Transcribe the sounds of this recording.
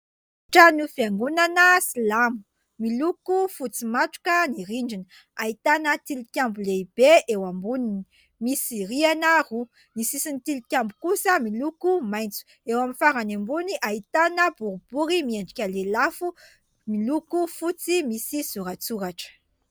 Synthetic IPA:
ʈ͡ʂanufiaŋɡunanəsilamu̥ | milukufut͡simaʈ͡ʂu̥kəniɾiɳɖ͡ʐini | ait̪anət̪ilikʲambuleib̥eʔewambunini | misiɾianaru | nisisinit̪ilikʲambukusəmilukumajnt͡su̥ | ewaminfaɾanembuniʔait̪anəbuɾub̥uɾimieɳɖ͡ʐikʲalelafu | milukufut͡simisisuɾat͡suɾaʈ͡ʂə̥

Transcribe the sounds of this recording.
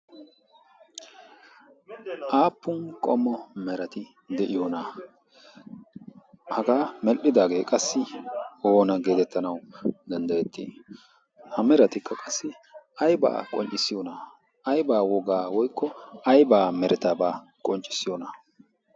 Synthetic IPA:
ʔaːpːʊnkʼɔmːɔmɛɾɐt̪ɪ | d̪ɛʔɪjɔna | hɐɡaːmɛlʔɪd̪aːɡe̞ːkʼɐsːɪoːnɐɡe̞ːt̪ɛt̪ːɐnɐwd̪ɐnd̪ɐjɛt̪ʰːḭː | hɐmɛɾɐt̪ɪkʰːɐkʼɐsːɪ | ɐjba̰ːkʼɔnt͡ʃʼːɪsɪjɔna | ɐjbaːwɔɡaːwɔjkʰːɔɐjbaːmɛɾʔɛt̪aːbaː | kʼɔnt͡ʃʼːɪ̥sɪjɔnɐ

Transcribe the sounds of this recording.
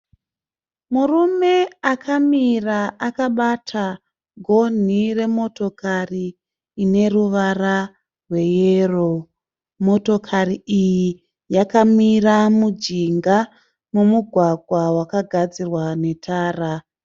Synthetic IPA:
murume̞akʰamiraakaɓatʰa | ɡʱo̞n̤ire̞mo̞to̞kariː | ne̞ruʋara | rwe̞jeːro | mo̞to̞kʰariiji | jakamiramud͡ʒiŋɡa | mumuɡʱwaɡʱwawakaɡʱad͡zirwane̞tʰaːra

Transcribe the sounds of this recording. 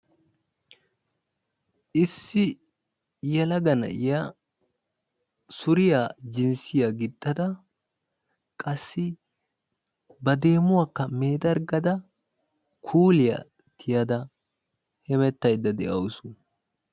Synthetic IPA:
ʔɪsːɪ | jɐlɐɡɐnɐ̰ja | sʊɾɪjad͡ʒɪnsɪjɐɡɪt̪ʼːɐd̪ɐ | kʼɐsːɪ | bɐd̪e̞ːmʊwakːɐme̞ːd̪ɐɾɡɐd̪ɐ | kʰuːlɪjɐ̰ | t̪ʰɪjɐd̪ɐ | hɛmɛt̪ːɐjd̪ːɐd̪ɛʔɐwʊsʊ

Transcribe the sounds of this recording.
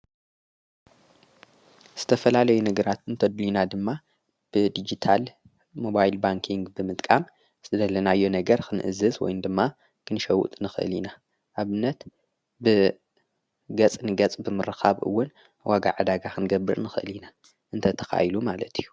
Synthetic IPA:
z̥ɨt̪ʰɐfɐlalɐjunɨɡɾat̪ɨnt̪ʰɐd̪linad̪ɨmːa | b̥ɨd̪id͡ʒit̪ʰal | mo̞bajlbaŋkʰiŋɡbɨmɨt̪ʼkʼam | z̥ɨd̪ɐlɐnajːo̞nɐɡɐɾkʰɨnʔɨ̰zɐzwɔ̰jnd̪ɨmːa | kʰɨnʃɐwṵt̪ʼnɨxɨ̰lina | ʔaβɨnːɐt̪ | bɨ | ɡɐt͡sʼnɨɡɐt͡sʼbɨmɨɾɨxaβʔɨ̰wːʊn | wʔaɡa̰ʕad̪aɡaxʰɨnɡɐbːɨ̰ɾnɨxɨʔɨ̰lina | ʔɨnt̪ʰɐt̪ʰɐ̥xa̰jlumalɐt̪ʰijːu

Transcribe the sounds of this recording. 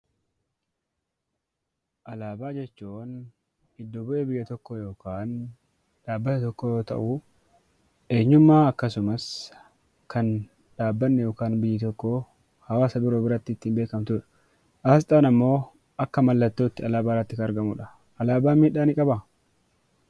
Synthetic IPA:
ʔɐlaːbaːd͡ʒɛt͡ʃːun | ɪd̪ːobʊʔeːbɪjːɐt̪ɔkːojo̞ːkaːn | ᶑaːbːɐt̪ɐt̪ɔkːoːjo̞ːt̪ɐ̰ʔʊ | e̞ːɲːʊmːaːɐkːɐsʊmɐs | kʰɐn | ᶑaːbːɐnːɛjoːkaːnbɪjːɪt̪ɔkːo | hɐwaːsɐb̪ʊɾoːbɪɾɐt̪ːɪɪt̪ːɪːmbeːkɐmt̪ʊᶑɐ̥ | ʔaːst̪ʼaːnɐmːo̞ː | ɐkːɐmɐlːɐt̪ːoːt̪ːɪɐlaːbaːɾːɐt̪ːɪkɐnɐɾɡɐmʊᶑɐ̥ | ʔɐlaːbaːmiːᶑaːnɪkʼɐbɐ

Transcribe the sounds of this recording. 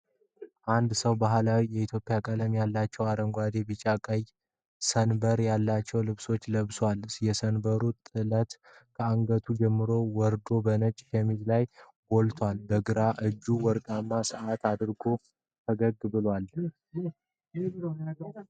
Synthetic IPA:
ʔand̪səwbaɦlawijɛit̪ʰjo̞pʼɪjakʼələmjalːat͡ʃːɛwaɾəŋɡʷad̪e̞bit͡ʃʼakʼəj | sənbəɾjalːat͡ʃːɛwlɨβso̞t͡ʃːləβswaljɛsənbəɾut̪ʼɨlət̪ | kʰəaŋɡət̪ʰud͡ʒɛmːɨɾo̞wɔɾd̪o̞bənət͡ʃʼʃɛmid͡ʒlaj | wɔlt̪ʰwalbəɡɨɾaʔɨd͡ʒːuwɔɾkʼamːasɨʔat̪ʰad̪ɾɡo̞ | t̪ʰəɡəɡɨbɨlwal

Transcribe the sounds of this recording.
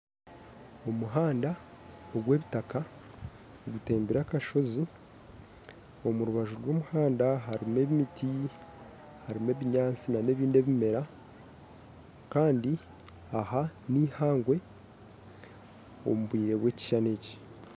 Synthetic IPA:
o̞muɦaːnda | oɡwe̞ːβitaka | ɡute̞ːmbiɾakaʃo̞zi | o̞muɾuβaʒuɾwo̞ːmuhaːndaɦaɾime̞βimitʰi | haɾime̞βiɲaːnt͡sinane̞ːβiːnde̞βime̞ɾa | kaːndi | ahanihaːŋɡwe̞ | o̰muβwiːɾe̞βwe̞ci̥ʃane̞ci̥

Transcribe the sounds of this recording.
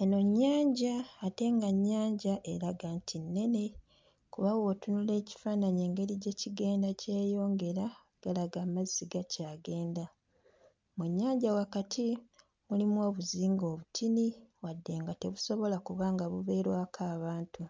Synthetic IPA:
eno̞ɲːaːɲɟaːte̞ŋɡaɲːaːɲɟaʔe̞ɾaɡaːntʰinːe̞ne̞ | kuβawo̞tunule̞ːci̥faːnaɲe̞ːŋɡe̞ɾiɟe̞ːciɡe̞ːndace̞ːjo̞ːŋɡe̞ɾa | ɡ̥alaɡamazːiɡacaːɡe̞ːnda | mwuɲːaːɲɟawakatʰi | mulimwo̞ːβuziːŋɡo̞ːβutʰiniwadːe̞ːŋɡate̞βuso̞βo̞lakuβaːŋɡaβuβe̞ːɾwaːkʰaːβaːntu

